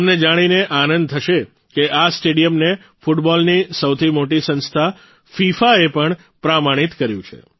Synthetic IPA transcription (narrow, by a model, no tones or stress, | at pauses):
mned͡ʒaɽ̃ineʔanənd̪̚t̪ʰəʃe | keʔasʈeɽijəmne | fuʈbɔlnisəwt̪ʰimoʈisənst̪ʰa | fifaepəɳ | pɾamaɽ̃it̪kəɾjũt͡ʃʰḛ